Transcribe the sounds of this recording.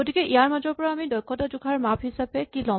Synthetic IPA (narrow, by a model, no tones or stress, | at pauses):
ɡotikɛʔijaɹmazɔɹpɔɹaːmidɔjkʰːɔtazuɡʱaɹmaphisapɛkilɔ